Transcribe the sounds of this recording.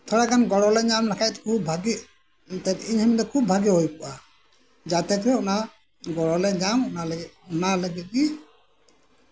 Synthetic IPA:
t̪ʰɔɽakanɡɔɽɔlɛɲamlakʰajt̪̚kʰubbʱaɡiʔ̚ | t̪ɛt̪iɲhɛmilɛkʰubbʱaɡɛɦɔjkɔʔa | d͡ʒat̪ɛkʰɾɛɔna | ɡɔɽɔlɛɲamɔnalunaləɡɛt̪̚ˀɡi

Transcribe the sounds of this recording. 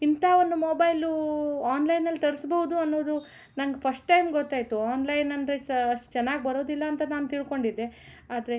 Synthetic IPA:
int̪aːond̪umoːbɐjluaːnlɐjnɐlːit̪ɐɽisbɐɦud̪uɐnːoːd̪u | nɐŋɡepʰɐsʈːɐjmɡɔt̪ːaːjt̪uaːnlɐjnɐnd̪ɾe̞ɐʂʈu̥t͡ʃɛnːaːɡbɐɾo̞ːd̪ilːɐːnt̪ɐnaːnut̪iɭko̞ɳɖid̪ːe̞ | aːd̪ɐɾe̞

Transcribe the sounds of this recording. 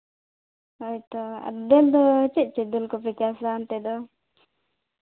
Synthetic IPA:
ɔjt̪ɔa̰td̪ɛld̪ɔt͡ʃɛʔ̚t͡ʃid̪ulkɔpɛkasant̪ɛd̪ɔ

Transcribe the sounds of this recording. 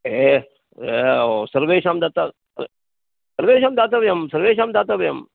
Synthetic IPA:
e | eosɐɾʋeːʃaːmd̪aːt̪a | ɐɾe | sɐɾʋeːʃaːmd̪aːt̪̬aːʋɐjɐmsɐɾʋeːʃaːmd̪aːt̪abɐjɐm

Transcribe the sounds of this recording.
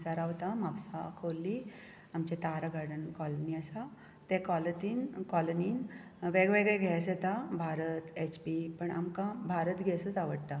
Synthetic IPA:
saɾaʋt̪amapsa̰kʰolːi | amt͡ɕet̪aɾaɡʱaɽənkɔlniəsa | t̪ekɔlət̪iːnkɔlənin | ʋeɡʋeɡɭeɡʱɛset̪abʱaɾət̪et͡ɕpipəɳa̰mkãbʱaɾət̪ɡʱɛsut͡saʋəɽt̪a

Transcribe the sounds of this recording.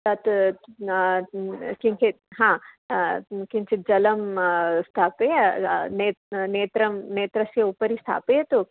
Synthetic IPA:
t̪ɐt̪ | kiŋkʰe | ɦãː | kĩnt͡ʃʰid͡ʒɐlɐmst̪ʰaːpenet̪neːt̪ɾɐmneːt̪ɾɐsjɐupɐɾist̪ʰa̰ːpet̪u

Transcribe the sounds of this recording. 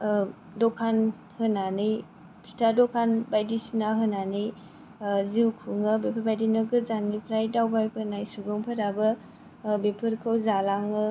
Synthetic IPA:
dɔkʰan | hɯnanɯj | pʰi̥tʰadɔkʰanbajdisnaɦɯnanɯj | ziwkʰuŋɯbepʰɯɾbajdinɯɡɯzanipʰɾajdawbajpʰɯnajsuɡoŋpʰaɾabɯ | bepʰɯɾkʰɯwzalaŋɯ

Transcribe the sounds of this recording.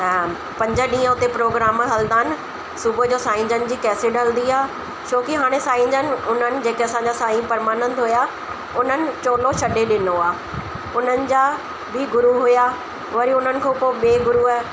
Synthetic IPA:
pɐ̃ɲd͡ʑəɗĩːə̃ʊt̪epɾoːɡɾaːmɦɐld̪aːnɪ̆ | sʊbʱəd͡ʑoːsaːɪ̃ɲd͡ʑənɪ̆d͡ʑiːkɛːsɪɗəld̪iaː | t͡ɕʰoːkiɦaːɽ̃esaːɪ̃ɲd͡ʑənɪ̆ʊn̤ənɪ̆d͡ʑeːkeɐsãːɲ̆d͡ʑasaːĩpɐɾmaːnə̃nd̪ɦʊja | ʊn̤ənɪ̆t͡ɕoːloʃɐɗeɗɪnoaː | ʊn̤ənɪ̆d͡ʑaː | biːɡʊɾuɦʊja | ʋɐɾiʊn̤ənɪ̆kʰõːpoɓeːɡʊɾu

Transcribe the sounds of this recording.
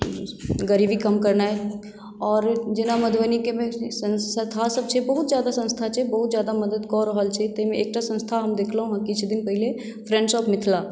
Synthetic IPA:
ɡəɾibikəmkəɾnaɦɛ | ɔːɾd͡ʒenaməd̪ʱʋənikemẽsənət̪ʰasəb̚t͡ʃʰɛbəɦut̪d͡ʒjad̪asə̃nst̪ʰat͡ʃʰɛbəɦut̪zjad̪aməd̪əd̪kɔɾəɦəlt͡ʃʰɛt̪əmẽek̚ʈasə̃nst̪ʰaɦəmd̪ekʰləɦũɦãkit͡ʃʰd̪inpəɦile | pʰɾɛ̃ɳɖsɔpmɪt̪ʰla

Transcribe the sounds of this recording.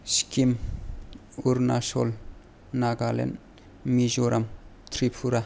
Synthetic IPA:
skim | uɾnaso̰l | naɡalḛn | mizoɾʔamt̪ʰɾipʰuɾa

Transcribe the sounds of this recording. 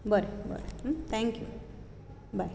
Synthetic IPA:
bʌɾebʌ̰ɾeɦmt̪ʰɛ̃ŋkjṵ | baj

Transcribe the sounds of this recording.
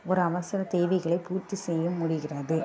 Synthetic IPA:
ɔɾɯɐʋɐsɐɾɐt̪eːʋɐɪɣɐɭɐɪpuːɾt̪ːisɛjːɐmʊɽɪɣɪrɐðɯ

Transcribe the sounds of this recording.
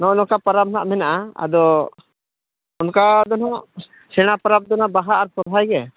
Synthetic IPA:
nɔʔnɔkapaɾap̚naʔmɛnaʔaa̰d̪ɔ | unkad̪ɔnaʔ | sɛɽ̃apaɾab̚d̪ɔnabaɦaːɾsɔb̪ʱajɡɛ

